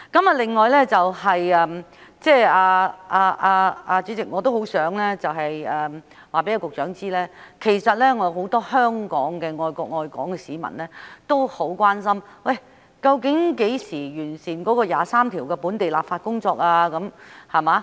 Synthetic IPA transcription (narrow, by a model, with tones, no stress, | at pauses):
kɐ˨˥mɐ˨lɪ˨ŋːɔː˨jlɛː˥t͡sɐ˨whɐ˨jɛː˨˧mt͡sɛː˥˧aː˧aː˧ʔaː˧aː˧t͡syː˨˧˥t͡sɪ˨k̚ŋɔ˨˧t̪o˥who˨˥wsœː˨˥ŋlɛː˥t͡sɐ˨wɦɐ˨jɛː˨m | waː˨pe˨˥ja˧wkʊ˨k̚t͡ʃœː˨˥ŋt͡siː˥lɛː˥kʰe˨˩jsɐ˨t̚lɛː˥ŋɔː˨˧ɦo˨˥wt̪ɔː˥hœː˥ŋkɔː˨˥ŋkɛː˧ŋɔː˨˧jkɔː˧k̚ŋɔː˨jkɔ̰ː˨˥ŋkɛː˧siː˨˥mɐ̰˨˩nlɛː˥t̪o˥who˨˥wkʷaː˥nsɐ˥mwɐ˥˩j | kɐ˧wkɪ˨˥ŋke˨˥jsiː˨˩jyː˨˩nsiː˨˩nkɔː˨˥kɔː˧jaː˨˩saː˥mt̪ʰiː˨˩wkɛː˧puː˨˥nt̪e˨jlaː˨pfaː˧t̚kʊ˥ŋt͡sɔː˧k̚aː˧kɐ˨˥mhɐ˨maː˨˧˥